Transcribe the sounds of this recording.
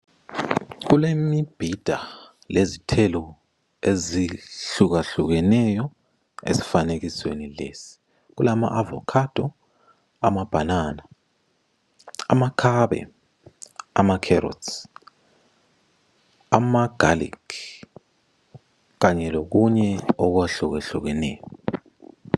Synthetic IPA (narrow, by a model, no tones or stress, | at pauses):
k̬ulemib̥ʱid̥ʱa | lezitʰɛlɔ | eziɬuk̬aɬuk̬ɛnɛjɔ | ḛsi̥fanek̬iswḛnilḛsi̥ | k̬ulama̰ʔavɔ̰kʰad̥ʱɔ | amab̥ʱanana | a̰makʰaɓɛ̰ | a̰makʰɛɾɔ̰ts | a̰maɡ̥ʱalḭkʰ | kaɲɛlok̬uɲɛɔk̬waɬuk̬ɛɬuk̬ɛnɛ̰ːjɔ